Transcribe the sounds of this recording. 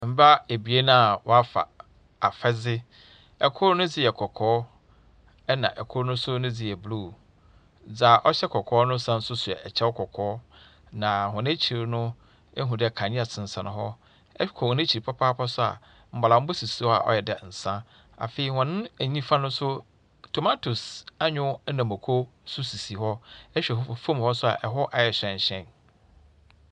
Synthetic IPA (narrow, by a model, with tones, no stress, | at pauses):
m̩˦ba˦e˨bi˨e˦nã˦˨wɔ˦a˦fa̰˨ | a˨fɛ˦d͡zɪ˦ | ɛ˨kʰʊ˦ɾnʊ̃˦d͡zɪ˦˨jɛ˨kʰɔ˨kʰɔː˦ | ɛ˦nã̰˨ʔɛ˨kʰʊ˦ɾnʊ̃˦sʊ˦nʊ̃˦d͡zɪ˨jɛ˨bluː˦˨ | d͡za˨ʔɔ˦ɕɛ˦kʰɔ˨kʰɔː˨˦nʊ̃˦sã˦n̩˦sʊ˦sʊ˨ɛ̰˨ʔɛ˨t͡ɕʰɛ˦wʊ˦kʰɔ˨kʰɔː˨˦ | nã˨hɔ̃˨ñ˦t͡ɕʰi˨ɾnʊ̃˦ | e˦ɦũ˨dɛ˦˨kʰã˨ɲĩ˦a˨sʰɪ̃˨n˨sã˨nʊ̃˨ɦɔ˦ | kʰɔ̃˨nɪ̃˦t͡ɕʰi˨ɾi˨pʰa˦pʰaː˦pʰa˦sʊ˦a̰˨ | m̩˨ba˨ã˨m̩˦bʊ˦si˨si˨hɔ˦a̰˨ʔɔ̰˦jɛ˨dɛ˨n̩˨sã˦ | a̰˨fe˨i˨hɔ̃˨nʊ̃˦æ˨ɲĩ˦fã˦nʊ̃˦sʊ˦ | tʰo˨ma˦tʰu˨sa˦ɲʊ̃˦nã˨mo˨kʰo˦sʊ˦si˨si˨ɦɔ˦ɛ˦ɕᶣɛ˨hfõ˦m˨hɔ˦sʊ˦a̰˨ʔɛ˨ɦɔ˦ʔa˨jɛ˨ɕᶣɛ̃˨ɲ˨ɕɛ̃˦˨n